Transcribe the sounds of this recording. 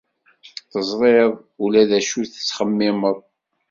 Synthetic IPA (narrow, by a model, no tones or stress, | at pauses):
θəzˤɾˤeðˤ | ulæðæʃuθə̥t͡sːχəmːɪməðˤ